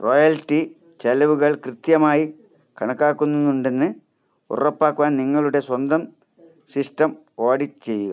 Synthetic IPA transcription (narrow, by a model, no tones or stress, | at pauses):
rojɐltːi | t͡ɕɐlɐʋuɣɐɭkrɨt̪jɐmaːji | kɐɳɐkːaːkːunːunuɳɖe̞nːɨ | ṵrɐpːaːkːuʋaːnniŋːɐɭuɽe̞swɐnd̪ɐm | sisʈɐm | o̞ːɽit͡ɕe̞jːuɣɐ̰